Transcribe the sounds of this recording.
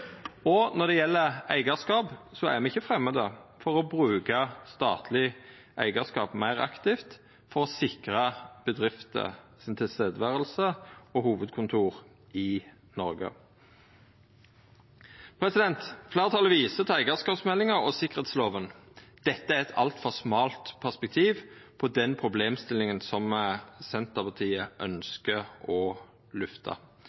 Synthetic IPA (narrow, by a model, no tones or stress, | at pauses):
ɔnɔd̪ɛjɛlːəæ̰ɪɡəskɑːbsɔæ̰mɛɪçːəfʁɛmːəd̪əfɔʁɔbʁʉːkɑst̪ɑ̰ːt̪ʰlɪ | ʔæ̰ɪɡəskɑ̰ːpmæɪʁɑ̰kt̪ɪft̪ | fɔʁɔsɪkʁɑb̥əd̪ʁɪft̪ə̰sɪnt̪ʰɪseːd̪ʋæːʁəlsəɔhuːʋəd̪kʰʊnt̪ʰuːʁ | ɪ | nɔɾɡə̰ | pʰɾɛsɪd̪ɛnt̪fleːʁət̪ʰɑləʋiːsət̪ʰæɪɡɑskɑːpsmɛlːɪŋəʁɔsɪkːəʁeːt̪sloːʋənd̪̥ɛt̪ːəæʁɛt̪ʰɑ̰lt̪fɔʁsmɑːlt̪pʰæʁspɛk̚t̪ʰiːʋpʰɔd̪ɛnpʰʁʊbleːmst̪ɪlɪŋənsɔmsɛnt̪əʁpʰɑt̪ʰiːəʔœnskəɔ | lʉft̪ʰɑ̰